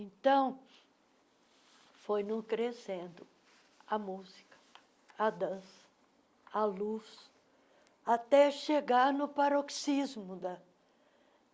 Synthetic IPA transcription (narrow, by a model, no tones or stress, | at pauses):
ẽnt̪ɐ̃w̃ | fojnũkɾesẽnd̪ʊ | ɐmuzikɐ̥ | ɐd̪ɐ̃sɐ̥ | alus | at̪ɛʃeɡaɾnʊpaɾoksizmʊd̪ɐ